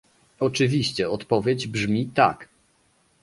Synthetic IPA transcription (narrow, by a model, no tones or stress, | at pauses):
ɔt͡ʂɘvʲiɕt͡ɕɛɔt̪pɔvʲjed͡ʑbʐmʲit̪a̰k